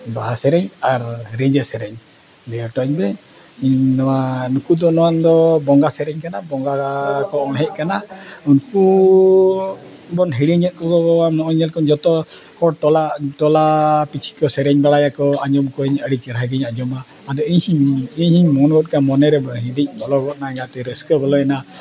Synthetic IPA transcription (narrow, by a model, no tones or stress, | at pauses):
baɦasɛɾɛɲaɾɾeɲd͡ʒəsɛɾɛɲ | dɛɾʈɔɲbɛ | iɲnɔwanukud̪ɔnɔwand̪ɔbɔŋɡasɛɾɛɲkanabɔŋɡakɔɔlɦɛc̚kanaunku | bɔnɦiɽiɲɛt̪̚ˀkɔkɔɔamɔɔɲɛlkɔɲd͡ʒɔt̪ɔkɔʈɔlaʔʈɔlapit͡ʃʰi̥kɔsɛɾɛɲbaɭajakɔaɲɔmkɔɲəɽit͡ʃɛɾaɦaɡiɲad͡ʒɔma | ad̪ɔiɲhiɲiɲhiɲmɔnɔɔt̪̚kamɔnɛɾɛbɦĩd̪ic̚ˀbɔlɔɡɔʔ̪̚naɛɲat̪ɛɾɛskəbɔlɔɛna